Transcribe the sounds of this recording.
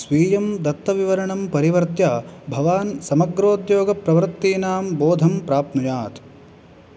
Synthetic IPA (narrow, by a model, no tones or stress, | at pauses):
sʋiːjɐmd̪ɐt̪ːɐʋiʋɐɾɐɳɐmpɐɾiʋɐɾt̪jaːbʱɐʋaːnsɐmɐɡɾoːd̪joːɡɐpɾɐʋɐɾt̪ːiːnaːmboːd̪ʱɐmpɾaːp̚t̪nujaːt̪